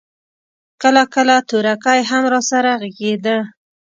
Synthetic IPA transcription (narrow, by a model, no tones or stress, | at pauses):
kəlakəlat̪uɾakajɦamɾɑsaɾaɣəɡed̪ə